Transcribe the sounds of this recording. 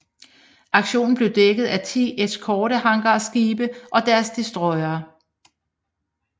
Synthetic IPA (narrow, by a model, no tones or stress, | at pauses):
ʔɑ̈ɡ̥ɕo̝̰ːn̩b̥le̝ʊd̥eɡ̥ð̞̩ˠæt͡sʰḭːʔe̥skʰɒːɾəhɑ̈ŋɡ̥ɐsɡ̥iːb̥əʔɒ̽d̥æɐsd̥isd̥ʁɒ̽ɪɐː